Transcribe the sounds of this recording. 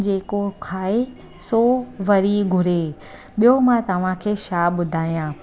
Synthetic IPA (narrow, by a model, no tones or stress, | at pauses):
d͡ʑeːkokʰaːe | soʋɐɾiɡʱʊɾe | ɓijomãt̪ɐʋ̤ãkʰeːʃaːɓʊd̪ʱaːijãː